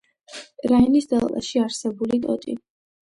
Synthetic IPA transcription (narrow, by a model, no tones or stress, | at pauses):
ɾainisd̪ɛlˠva̰ʃiaɾsɛbulit̪ʼɔ̰t̪ʼḭ